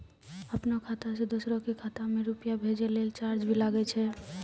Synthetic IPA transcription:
əpnakʰat̪ased̪usɾõkikʰat̪amẽɾupjabʱed͡ʒelelt͡ʃaɾd͡ʒbʱilaɡɛt͡ʃʰɛ

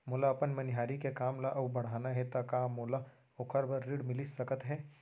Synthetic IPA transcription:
mʊlaɐpənmɐnɦaːɾikekaːmlaʔɐbbɐɽ̤aːnaɦɛt̪akaːmoːla | ʊkʰəɾbəɾːiɽmɪlisɐkət̪ɦɛː

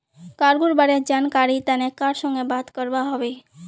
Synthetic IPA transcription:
kaɾɡuɾbaɾed͡ʒankaɾit̪anekaɾʃɔŋɡebat̪kəɾʋaɦəʋe

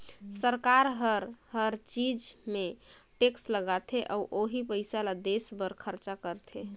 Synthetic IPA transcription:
səɾkaɾɦəɾɦəɾt͡ʃid͡ʒmeʈeksləɡat̪ʰeʔɔuʔoɦipəɪsalad̪esbəɾkʰəɾt͡ʃakəɾt̪ʰe

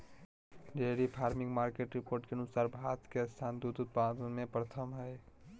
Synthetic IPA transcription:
ɖeɾipʰaːɾmɪ̃ŋɡmaːɾkeʈɾɪpoːɾʈkeənʊsaːɾbʱaːt̪keəst̪ʰaːnd̪ud̪ʊt̪̚pad̪ənmẽpɾət̪ʰəmɦɛː

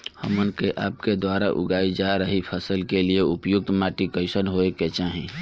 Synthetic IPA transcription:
hə̰mənkeʔa̰ːp̚ked̪waɾaʔʊ̰ɡaːid͡ʒaɾəɦipʰəsəlkelieʊpjʊk̚t̪maʈikəɪsənɦoeket͡ʃaɦĩ

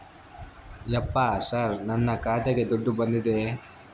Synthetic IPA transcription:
jɐpːasaɾnɐnːɐkaːd̪ɐɡed̪ɔɖːubɐnd̪id̪e

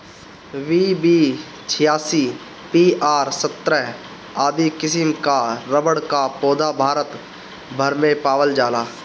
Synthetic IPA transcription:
ʋiːbi | t͡ʃʰɪjaːsiː | piːaːɾsət̪ːɾə | aːd̪ikɪsɪmkaɾəbəɽkapoːd̪abʱaːɾət̪ | bʱəɾmẽpaːwəld͡ʒaːlaː

